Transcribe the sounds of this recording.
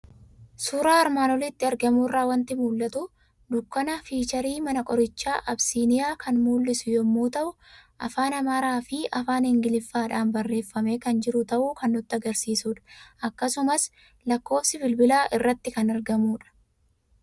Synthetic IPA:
suːɾaːɐɾmaːnɔlɪt̪ːɪɐɾɡɐmuːrːaːwɐnt̪ɪmuːlːɐt̪ʊ | d̪ʊkːɐnɐfiːt͡ʃɐɾiːmɐnɐkʼɔɾɪt͡ʃːaːʔɐbsiːnɪjaːkʰɐnmuːlːɪsʊjɔmːuːt̪ɐʔʊ | ʔɐfaːnɐmaːɾaːfɪʔɐfaːnhɪŋɡɪlɪfːaːᶑaːnbɐrːe̞ːfːɐme̞ːkɐnd͡ʒɪɾʊt̪ɐʔuːkɐnːʊt̪ːɪɐɡɐɾsiːsuːᶑɐ̥ʔɐkːɐsʊmɐs | lɐkːo̞ːfsɪbɪlbɪlaːʔɪrːɐt̪ːɪkɐnɐɾɡɐmuːᶑɐ̥

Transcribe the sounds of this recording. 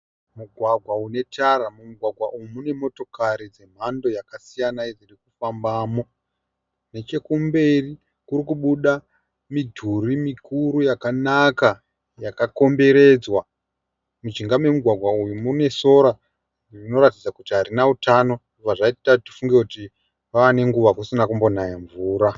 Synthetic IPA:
muɡʱwaɡʱwaune̞tʰaɾamumuɡʱwaɡʱwaʔujumune̞mo̞to̞kaɾid͡ze̞m̤ando̞jakasijanaid͡zirikufambaːmo̞ | ne̞t͡ʃe̞kumbe̞ri | kuɾikuɓuɗa | midʱurimikʰuɾujakanaka | jakako̞mbe̞ɾe̞d͡zwa | mid͡ʒiŋɡame̞muɡʱwaɡʱwaujumune̞so̞ɾa | rino̞ɾatid͡zakutiɦaɾinautano̞ | uvaʐaittatifuŋɡe̞kuti | ʋaane̞ŋɡuʋakusinakumbo̞najeɱvuːɾa

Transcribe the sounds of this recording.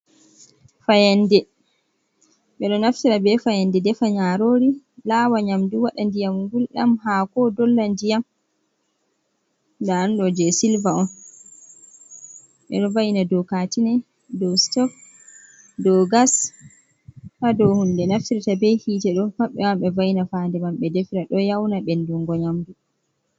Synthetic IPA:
fajɛndɛ | ɓɛɗɔnaftiɾabɛfajɛndɛdɛfaɲaɾoɾi | laːwaɲamduwaɗandijamŋɡulɗa̰mhakɔdɔlːandijam | daːnɗɔd͡ʒɛsilvaɔn | ɓɛ̰ɗɔvajnadɔkatinɛ | dɔstɔk | dɔɡas | hadɔhundɛnaftiɾitabɛjhiːtɛɗɔfaɓɛ̰wamɓɛvajnafandɛmamɓɛdɛfɾaɗɔjawnaɓɛnduŋɡɔɲamdu

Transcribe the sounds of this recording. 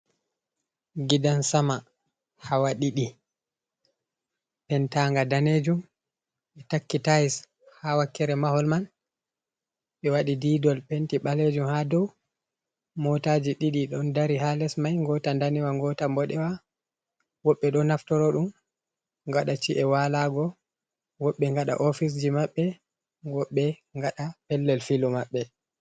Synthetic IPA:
ɡidansama | hawaɗiɗi | pɛntaŋɡadaned͡ʒum | ɓɛtakːitajis | hawakːɛɾɛmahɔlman | ɓɛwaɗidiːdɔlpɛntiɓaled͡ʒumhadɔw | mɔtad͡ʒiɗiɗiɗɔndaɾihalɛsmajŋɡɔtandaniwaŋɡɔtambɔɗɛwa | wɔɓːɛɗɔnaftɔɾɔɗum | ŋɡaɗat͡ʃiʔɛwalaɡɔ | wɔɓːɛŋɡaɗa̰ʔofis̬d͡ʒimaɓːɛ | ɡɔɓːɛŋɡaɗapɛlːɛlfilumaɓːɛ

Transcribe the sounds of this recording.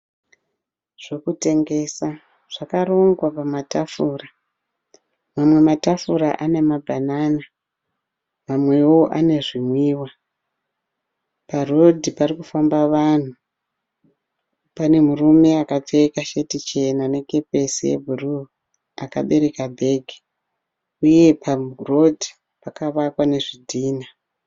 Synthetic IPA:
ʐ̥e̞kute̞ŋɡe̞sa | ʐ̥akaɾoŋɡwapamatafuːra | mamwe̞matafuɾa̰ʔane̞mabʱanaːna | mamwe̞wo̞ʔane̞ʐimwiːwa | paro̞dʱiparikufambaʋan̤u | pane̞murume̞akap͡fekaʃe̞tit͡ʃe̞nane̞ke̞pe̞sijḛbʱuru | aka̰ɓe̞ɾe̞kabʱe̞ɡʱi | uje̞paro̞dʱi | pakaʋakwane̞ʐidʱiːna

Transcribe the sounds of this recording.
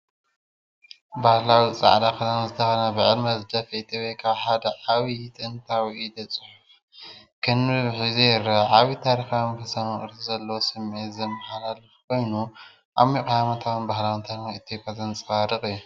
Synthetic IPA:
bahlawit͡sʼa̰ʕd̪akʰɐt̪anzɨt̪ʰɐxɐnɐbɨʕɨlmɐzɨd̪ɐfɐit̪ʰopʼekʰaβħad̪ɐʕaβit̪ʰʼɨɨnt̪ʰawid̪ɐt͡sʼɨħʊf | kʰɨnɨβħɨzeɾʕaβit̪ʰaɾixawnfɐsɐnɨχʼɨɾt̪izɐlːɐwosɨmet̪zɐmːɐħalalɨfkʰo̞jnu | ʔa̰βmikʼajamɐt̪ʰawnbahlawint̪ʰaɾixaɨt̪ʰjopʼjazɐnt͡sʼɨxaɾɨxʼɨjːu

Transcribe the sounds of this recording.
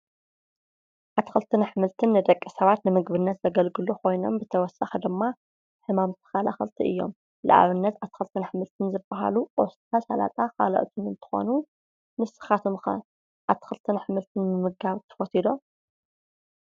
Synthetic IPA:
ʔat̪xɨlt̪ʰɨnħɨmɨlt̪ʰɨnːɨd̪ɐkʼːisɐβat̪nɨmɨɡβɨnːɐt̪zɐɡɐlɡɨluko̞jno̞mbɨt̪ʰɐwɔsaxid̪ɨmːa | ħɨmamt̪ʰɨ̥xalaxɨlt̪ʰiʔɨjːo̰m | lɨ̰ʔa̰βɨnːɐt̪at̪xɨlt̪ʰɨnħɨmɨlt̪ʰɨnzɨbːaɦa̰luʔost̪ʼʰasala̰t̪ʼaka̰lɐ̰ʔt̪ʰunɨnt̪ʰɨ̥xo̰nu | nɨsɨ̥xat̪ʰomxɐ̰ | ʔat̪ʰːxɨlt̪ʰɨnħɨmɨlt̪ʰɨnmɨmɨɡaβt̪ʰɨ̥fot̪ʰid̪o̞m

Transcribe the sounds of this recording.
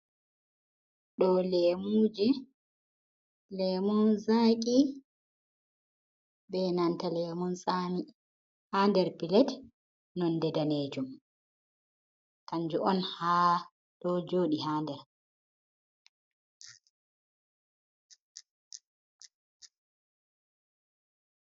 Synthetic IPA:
ɗɔlɛːmud͡ʒɛ | lɛmunzaːk̬ʼi | bɛnantalɛmunsani | handɛɾpilɛt | nɔndɛdaneːd͡ʒum | kaɲd͡ʒuʔɔnha | dɔd͡ʒoːɗihaːndɛɾ

